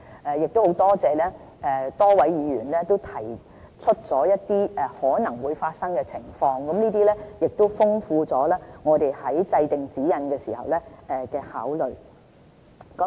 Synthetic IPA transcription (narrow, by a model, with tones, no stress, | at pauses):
ɛ˨˧jɪ˨k̚t̪o˥who˨˥wt̪ɔː˥t͡sɛː˨˧lɛː˥ | ɛ˨t̪ɔː˥wɐ˨˥jjiː˨˧ɥyː˨˩nlɛː˥t̪o˥wt̪ʰɐ˨˩j | t͡sʰɵ˥t̚t͡sɔː˨˥jɐ˥t̚t̪iː˥ʔɛ˨˩hɔː˨˥nɐ˨˩ŋwuː˨˧jfaː˧t̚sɐ˥ŋkɛ˧t͡sʰɪ˨˩ŋfɔː˧ŋkɐ˨˥mniː˥t̪iː˥lɛː˥jɪ˨k̚t̪o˥wfʊ˥ŋfuː˧t͡sɔː˨˥lɛː˥ŋɔː˨˧t̪e˨jhɐ˨˥jt͡sɐ˧jt̪ɪ˨ŋt͡siː˨˥jɐ˨˥nkɛː˧siː˨˩hɐ̰˨˩wlɛː˥ʔɛː˨˧kɛː˧haː˨˥wlɵ˨ɥ | k